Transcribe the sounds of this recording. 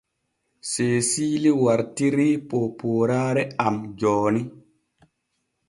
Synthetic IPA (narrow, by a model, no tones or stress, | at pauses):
seːsiːliwaɾtiɾiːpopoːɾaːɾɛamd͡ʒɔːni